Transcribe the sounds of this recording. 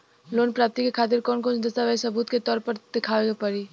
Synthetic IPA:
loːnpɾaːp̚t̪ikekʰaːt̪ɪɾkɔːnkɔːnd̪ɐst̪aʋɛisɐbuːt̪ket̪ɔːɾpɐɾd̪̥ɪkʰaːʋeɡapɐɾiː

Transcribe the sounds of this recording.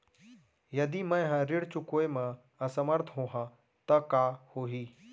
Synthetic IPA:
jɐd̪imə̃j̃ɦãɾɪɽt͡ʃʊkoːemã | ɐsɐməɾt̪ʰɦoːɦã | t̪ɐkaːhoːɦiː

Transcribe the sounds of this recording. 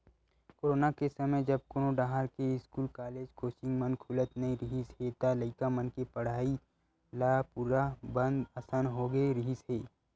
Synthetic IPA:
koːɾoːnakesɐməjd͡ʒɐb̚koːnoɖãːɦaɾkeɪskuːlkaːleːd͡ʒkoːsɪ̃ŋɡmənkʰʊlət̪nɐĩɾɪɦisɦet̪aləɪkamənkepɐɽaːi | laːpuːɾabə̃nd̪əsanɦoɡəeɾɪɦisɦeː

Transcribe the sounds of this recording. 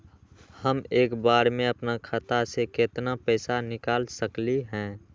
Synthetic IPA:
həmeːkbaːɾmẽəpnakʰət̪aseket̪napɛːsanɪkaːlsəkliɦɛ̃ː

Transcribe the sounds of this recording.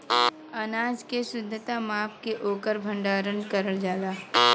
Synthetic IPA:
ɐnaːd͡ʒkesʊd̪ʱːət̪amaːpkeʔoːkəɾbʱə̃ɳɖaːɾənkəɾəld͡ʒaːlaː

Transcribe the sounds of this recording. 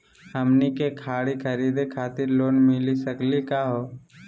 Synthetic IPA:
həmnikekʰaːɽikʰəɾiːd̪ekʰaːt̪ɪɾloːnmɪlisəklikaɦoː

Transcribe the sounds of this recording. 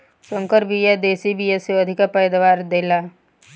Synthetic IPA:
sə̃ŋkəɾbʱijed̪eːsibʱijeseɐd̪ʱɪkapəjd̪aʋaːɾd̪eːlaː

